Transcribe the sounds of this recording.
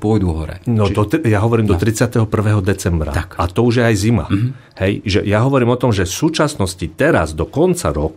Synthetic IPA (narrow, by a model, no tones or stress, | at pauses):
pɔjd̪uɦɔɾɛ̰nɔɔjaɦɔʋɔɾiːmd̪ɔt̪ɾit͡sɪat̪ɛɦɔpr̩ʋɛːɦɔd̪ɛt͡sɛmbɾa̰akat̪ɔuʒjɛajzima̰ | hɛjʒɛjaɦɔʋɔɾiːmɔt̪ɔmʒɛfsuːt͡ʃasnɔscit̪ɛɾa̰zd̪ɔkɔnt͡sa̰ɾɔk